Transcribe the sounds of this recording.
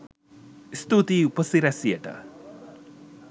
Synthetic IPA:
st̪ut̪iupəsiɾæsijəʈə̰

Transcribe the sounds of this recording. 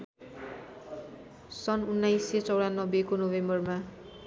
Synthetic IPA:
sʌnunːajset͡sʌwɽanːʌbekonobembʌrma

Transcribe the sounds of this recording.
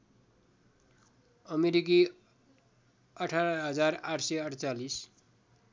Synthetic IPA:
ʌmeɾiki | ʌʈʰaɾʌɦʌd͡zaraʈʰsʌʌʈt͡salis

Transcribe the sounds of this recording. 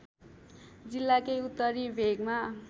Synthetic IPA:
d͡zilːakʌjut̪ːʌɾibʱeɡma

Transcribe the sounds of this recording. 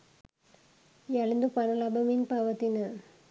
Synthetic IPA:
jɐɭɯnd̪upɐnɐlɐbɐminpaʋɐt̪ːinɯ

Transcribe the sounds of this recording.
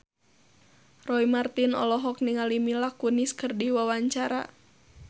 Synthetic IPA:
rɔimart̪inɔ̰lɔɦɔk̚niŋalimilakuniskərdiwawaɲt͡ʃaɾa̰

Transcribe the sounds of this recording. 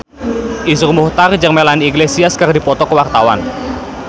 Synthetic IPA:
ʔisurmuht̪ard͡ʒəŋmelaniiɡlesiaskərdipɔt̪ɔkəwart̪awa̰n

